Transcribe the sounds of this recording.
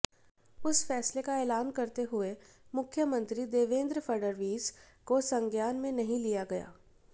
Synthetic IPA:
ʊsfɛːslekaɛːlaːnkɐɾt̪eɦʊe | mʊkʰjəmɐ̃nt̪ɾid̪eːʋẽːnd̪ɾfɐɾɖəɾʋiːz | kosɐ̃ŋɡjaːnmẽnɐɦĩlijaɡɐja̰ː

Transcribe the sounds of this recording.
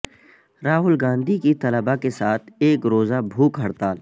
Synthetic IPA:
ɾaːɦʊlɡãːnd̪ʱikit̪ɐləbakesaːt̪ʰeːkɾoːzabʱuːkɦɐɽt̪aːl

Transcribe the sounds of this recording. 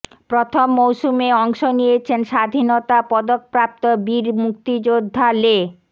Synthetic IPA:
pɾot̪ʰomːowʃumeɔŋʃonijet͡ɕʰenʃad̪ʱinot̪apɔd̪ok̚pɾap̚t̪obiɾmuk̚t̪id͡ʑod̪ʱːale

